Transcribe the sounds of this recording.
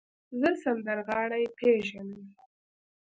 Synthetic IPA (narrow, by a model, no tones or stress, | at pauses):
zəsand̪aɾɣɑɽajpʰeʒanəm